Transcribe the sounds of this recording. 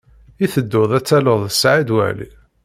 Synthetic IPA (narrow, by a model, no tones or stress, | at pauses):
iθəd̪ːʊðˤæt͡sːæləðˤəsʕid̪wæ̰lḭ